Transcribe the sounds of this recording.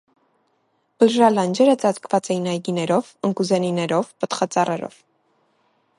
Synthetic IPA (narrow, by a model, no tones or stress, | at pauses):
b̥əlʒɑlɑnd͡ʒɛɾət͡sɑt͡skʰvɑt͡sɛjinɑjɡinɛɾɔvəŋkuzɛninɛɾɔvpət̪χɑt͡sɑrɛɾɔ̰v̥